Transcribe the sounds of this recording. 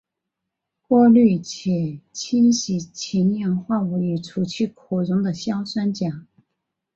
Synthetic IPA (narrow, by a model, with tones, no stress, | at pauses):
kwɔ˥˧ly˥˩t͡ɕʰɛ˨˩t͡ɕʰi˥nɕi˧˥t͡ɕʰi˧˥njɛ˥˧˥ŋxwa˥˩u˧˥i˧˩ʈ͡ʂʰu˧˥t͡ɕʰy˥˩kʰu˨˩ɻʊ˧˥ŋd̪ə˨ɕjɑ˥ʊswa˥nt͡ɕjɑ˨˩˦ŋ